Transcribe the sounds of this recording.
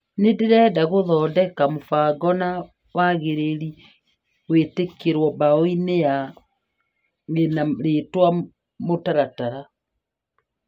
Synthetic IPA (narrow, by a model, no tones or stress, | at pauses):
nedeɾɛdaɣoðɔːdɛkamofaːɡɔna | waɣeɾeɾi | wetekeɾwɔbaoineja | enaɾetwa | motaɾataɾa